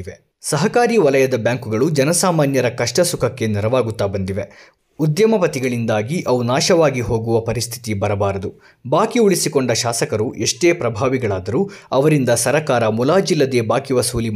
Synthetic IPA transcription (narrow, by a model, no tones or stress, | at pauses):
ʋe | sɐɦɐkaːɾiːʋɐlɐjɐd̪ɐbjaːŋkuɡɐɭud͡ʒɐnɐsaːmaːnjɐɾɐkɐʂʈɐsukʰɐkːe̞niɾɐʋaːɡut̪ːaːbɐnd̪iʋe̞ | ud̪jɐmɐpɐt̪iɡɐɭind̪aːɡiʔɐʋunaːʃɐʋaːɡiɦo̞ːɡuʋɐpɐɾist̪ʰi̥t̪ibɐɾɐbaːɾɐd̪u | baːkiuɭisikoɳɖɐʃaːsɐkɐɾuʔeʂʈe̞ːpɾɐbʱaːʋiɡɐɭaːd̪ɐɾuːɐʋɐɾind̪ɐsɐɾɐkaːɾɐmulaːd͡ʒilːɐd̪e̞ːbaːkiʋɐsuːli